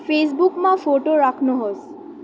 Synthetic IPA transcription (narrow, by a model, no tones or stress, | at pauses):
fes̬bukmãfoʈoɾakʰnoɦos